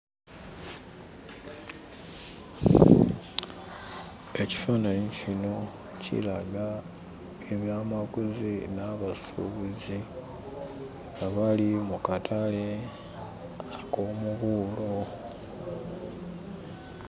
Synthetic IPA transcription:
e̞ci̥fanaɲicino̞ | cḭlaɡa | eβjaːmakuzinaβasṵβuzi | ŋɡaβalimukatale̞ | akoːmuβulo

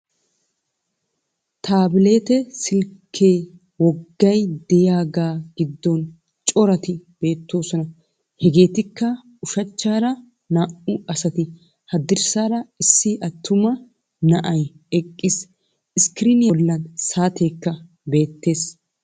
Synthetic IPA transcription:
t̪ʰaːbɪle̞ːt̪ɛsɪlkʰeː | wɔɡːɐjd̪ɛjaːɡaːɡ̥ɪd̪ːɔn | t͡ʃʼɔɾɐt̪ɪb̥e̞ːt̪ːo̞ːsɔnɐ | hɛɡe̞ːt̪ɪkːɐ | ʊʃɐt͡ʃːaːɾɐ | naːʔʊɐsɐt̪ɪ | hɐd̪ɪɾsaːɾɐɪsːɪʔɐt̪ʰːʊmɐ | nɐʔɐj | ɛkʼːɪs | ɪskɪɾɪnɪjɐlːɐnsaːt̪e̞ːkːɐ | be̞ːt̪ːe̞ːs

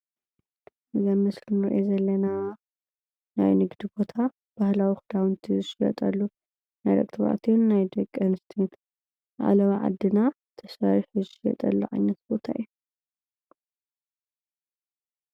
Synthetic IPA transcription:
ʔɨzamɨslɨnɨɾʔjozɐlːɐna | na̰jnɨɡd̪ibo̞t̪ʰa | b̥ahlawixɨd̪awɨnt̪ʰiɨʃlɐ̰t̪ʼɐ̰lːu | najɾɐ̰kʼt̪ʰɨβa̰t̪ʰijonːajd̪ɐɡʼɐnst̪ʰent̪ʰ | ʕa̰lɐβaʕa̰d̪ːɨna | t̪ʰɐsaɾiħɨzijɛ̰t̪ʼɐ̰lːa̰ʕa̰jnɐt̪̚bo̞t̪ʰaḭju

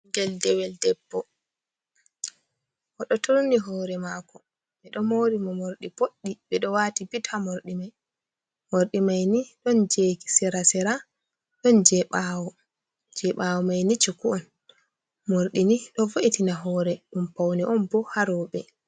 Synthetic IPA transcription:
ŋɡɛldɛwɛldɛbːɔ | ʔɔɗɔtʰoɾuniɦɔːɾɛmaːkɔ | ɓɛɗɔmoɾimɔmoɾɗipoɗːiɓɛɗɔwaːtibitʰamoɾɗimaj | moɾɗimajniɗɔnd͡ʒeki̥sɛɾasɛɾa | ɗɔnd͡ʒɛɓaːwɔ | d͡ʒɛɓawɔmajnit͡ʃukuɔn | moɾɗiniɗɔvoʔitinaɦɔːɾɛɗumpawniʔɔnbɔhaɾɔɓɛ

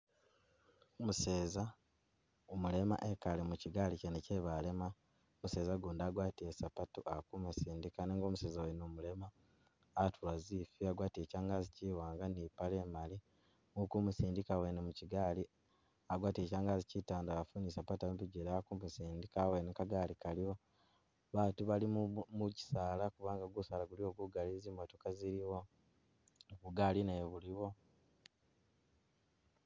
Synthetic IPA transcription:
omuse̞ːza | omule̞ma̰ʔekalemuciɡaliceneceβale̞ma | omuse̞ːzaɡuːndaːɡwaːtiesapatuʔakumusiːndikaneːŋɡo̞ːmuse̞ːzawenomule̞maː | tʰulazifiaɡwaːtiecaːŋɡaziciwaːŋɡanipale̞mali | ukumusiːndikawenemuciɡaːli | aɡwaːte̞caːŋɡazicitaːndaafunisapataempiɟeɾaakumusiːndikawenekaɡaːlikalio̞ | βaːtuβalimuci̥saːlakuβaːŋɡaɡusaːlaɡulioɡuɡalizimatukaziɾiwo̞ | kuɡalineoβuliβo̞

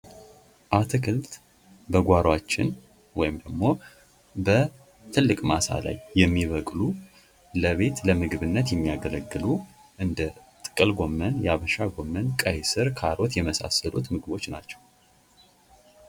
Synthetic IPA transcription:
ʔat̪ʰɨkʰɨlt̪ | bəɡʷaɾwat͡ʃːɪ̰n | wɔjɪmd̪əɡmo̞ | bə | t̪ʰɨlːɨkʼmasa̰la̰jːɛmːiβəkʼlu | ləβe̞t̪ləmɨɡɨβɨnːət̪jɛmːijaɡələɡːɨlu | ʔɨnd̪ət̪ʼɨ̥kʼɨlɡo̞mːənjɛaβəʃaɡo̞mːənkʼəjsɨɾkʰaɾo̞t̪jɛməsa̰səlṵt̪mɨɡɨβo̞t͡ʃːna̰t͡ʃːɛ̥w

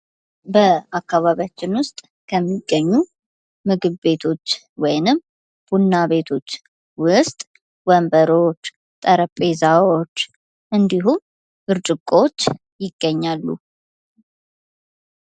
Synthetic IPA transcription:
bəakːaβaβjat͡ʃːɪnwʊst̪ʼ | kʰəmːiɡːəɲːu | mɨɡɨβbe̞t̪ʰo̞t͡ʃː | wɔjnɨm | b̥unːaβe̞t̪ʰo̞t͡ʃː | wʊst̪ʼ | wəmbəɾo̞t͡ʃː | t̪ʼəɾəpʼezawot͡ʃː | ʔɨnd̪iɦum | bɨɾt͡ʃʼɨkʼot͡ʃː | jɪɡːəɲːalːṵ

